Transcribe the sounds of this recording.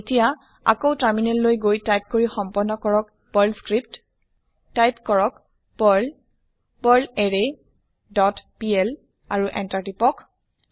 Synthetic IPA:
etija | a̰kowtaɹminɛlːojɡojtajp̚koɹixɔmpɔnːɔkɔɹɔk̚ | pɔlskɹipt | tajpkɔɹɔk | pɔl | pɔleɹe | dɔtpiɛl | aɹuʔɛntatipɔk

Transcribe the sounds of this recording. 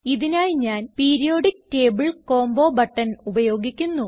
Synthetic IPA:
iðinaːjɲaːnpiːɾijo̞ːɖik̚te̞ːbɨɭko̞ːmbo̞ːbɐʈːɐnubɐjo̞ːɡikʲːunːu

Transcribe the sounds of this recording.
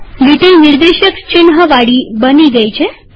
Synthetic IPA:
liʈilniɾd̪eɕəkt͡ɕinɦəʋaɽiːbəniːɡɛjt͡ɕe

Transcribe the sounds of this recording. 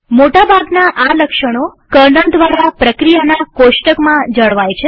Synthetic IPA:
moʈabʱaɡnaʔaləkʃəɽ̃okəɾnəɳd̪ʋaɾapɾəkɾijanakoʃʈəkmãd͡ʒəɭʋajt͡ʃʰe

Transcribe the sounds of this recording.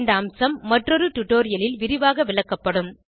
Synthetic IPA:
nd̪ɐːmsɐmːɐʈrɔɾɯʈ̪ʊʈːoːɾɪjɐlɪlʋɪɾɪʋaːɣɐʋɪɭɐkːɐpːɐɽɯm

